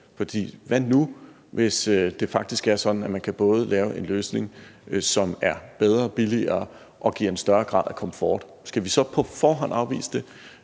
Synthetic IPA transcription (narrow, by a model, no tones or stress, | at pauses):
fɒ̽d̥ḭːʋænu | ʋe̝sd̥e̝fɑ̈ɡ̥̚d̥isɡ̥æɐsɒ̽d̥n̩æmænkʰæb̥ɔ̽ːð̞̩ˠəlʔɛːʊe̝nløːsne̝ŋsɒ̽mæɐb̥eð̞ˠʁɐb̥iliɐː | ʔɒ̽ɡ̥ḭːɐ̰e̝nsd̥ɶɐɡ̥ʁɑ̰̈ð̰ˠækʰɒ̽məfɒ̰ːd̥ | sɡ̥æʋisɒ̽pʰɒ̽fɒːɦɒ̽n̰ɑ̈ʊʋḭːsə̥d̥e̝